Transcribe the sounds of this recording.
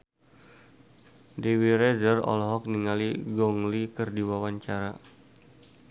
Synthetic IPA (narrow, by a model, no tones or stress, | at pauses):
dewiɾɛzərɔ̰lɔɦɔk̚niŋaliɡɔŋlikərdiwawaɲt͡ʃaɾa